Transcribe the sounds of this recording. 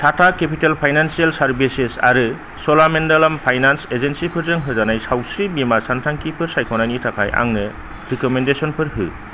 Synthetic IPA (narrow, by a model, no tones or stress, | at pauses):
tʰatʰakepitelpʰajnansialsaɾbisesa̰ɾɯ | sɔlamendalampʰajnansezensipʰɯɾzɯŋɦɯzanajsawsibimasantʰaŋkipʰɯɾsajkʰɔnajnitʰakʰajʔa̰ŋnɯ | ɾikɔmendesɔnpʰɯɾɦɯ